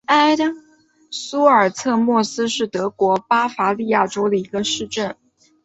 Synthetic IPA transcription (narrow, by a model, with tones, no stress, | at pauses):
a˥ɪ˥ | su˥ə˞˨˩t͡sʰɤ˥˧mwɔ˥˩sɹ̩˥ʂɻ̩˥˩t̪ɤ˧˥kwɔ˧˥pa˥fa˧˥li˥˧ja˥˩ʈ͡ʂo˥ʊd̪ə˨i˧˥ɡə˧ʂɻ̩˥˧ʈ͡ʂə˥˩n